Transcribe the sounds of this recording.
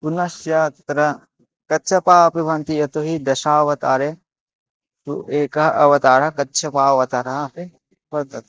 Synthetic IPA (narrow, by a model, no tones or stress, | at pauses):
punɐʃjaːt̪ɾɐ | kɐtːt͡ʃʰɐpaːɐpiʋʱɐnt̪ijɐt̪oɦid̪ɐʃaːʋɐt̪aːɾe | t̪ṵʔeːkɐɦɐʔɐʋɐt̪aːɾɐkɐtːt͡ʃʰɐpaːɐʋɐt̪aːɾɐpi | pɐ